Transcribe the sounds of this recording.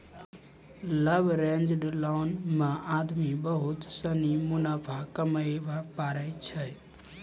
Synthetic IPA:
ləbʱɾend͡ʒɖlonmead̪mibəɦut̪sənimunapʰakəməjbapaɾəɪt͡ʃʰə

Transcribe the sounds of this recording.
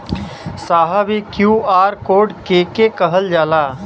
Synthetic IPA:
saːɦabikjuːaːɾkoːɖkeːkekəɦəld͡ʒaːlaː

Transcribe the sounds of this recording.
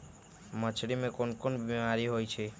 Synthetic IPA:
mət͡ʃʰɽimẽkonkonbimaɾiɦojt͡ʃʰe

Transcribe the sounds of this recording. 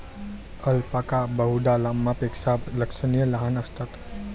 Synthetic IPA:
əlpakabəɦuɖ̪alamːapeksabləksənijələɦanəst̪at̪

